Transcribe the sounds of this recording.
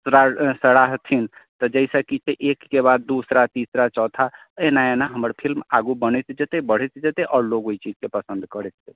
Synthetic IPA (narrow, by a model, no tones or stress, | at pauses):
sɾasəɽaɦt̪ʰint̪ɔd͡ʒɛɪsakit͡ʃʰeʔekːebad̪ːusɾat̪isɾat͡ʃɔːt̪ʰa | enaenaɦəməɾpʰilmaɡubənɛt̪d͡ʒət̪ebəɽ̤ɛt̪d͡ʒət̪eʔɔːɾloɡoit͡ʃid͡ʒkepəsə̃nd̪kəɾɛt̪̚d͡ʒet̪